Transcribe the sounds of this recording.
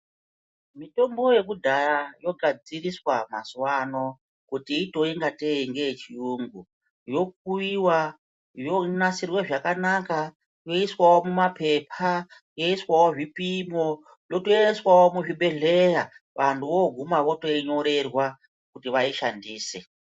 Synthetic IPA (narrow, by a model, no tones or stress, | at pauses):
mito̞mbo̞je̞kudʱaɾajo̞ɡʱad͡ziriswamaswano̞ | kutiːto̞iŋɡateiŋɡe̞jet͡ʃijuːŋɡu | jo̞k̚uiwa | jonasirweʐakanaka | jo̞iswawo̞mumape̞pʰa | jo̞iswawoʐipimo | lo̞toeswawomuʐiɓe̞ɮeja | ʋantʰuʋo̞ɡʱumaʋo̞to̞iɲo̞ɾe̞rwa | kutiʋaiʃandiːse̞